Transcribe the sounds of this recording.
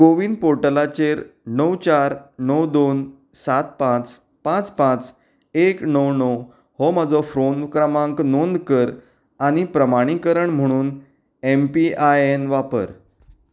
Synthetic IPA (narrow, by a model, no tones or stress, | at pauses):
ɡoʋiːnpoɾʈəlat͡ɕeɾnəwt͡ɕaɾnəwd̪on | sat̪̚pãt͡s | pãt͡spãt͡s | eknəwnəw | hɔm̤əd͡zɔfɾonkɾəmãŋknond̪kəɾ | aɽ̃ipɾəmaɽ̃ikəɾəɳm̤əɽ̃uːn | empiajenʋapə̰ɾ